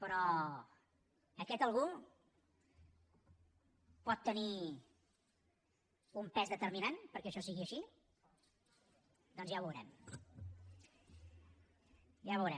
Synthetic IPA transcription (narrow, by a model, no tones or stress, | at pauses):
pɾɔ | əkɛt̪əlˠɣu | pɔt̪ːəni | umpɛzðət̪əɾminanpəɾkɛəʃɔsiɣiəʃi | d̪ɔnzjaβəwɾɛm | jaβəwɾɛ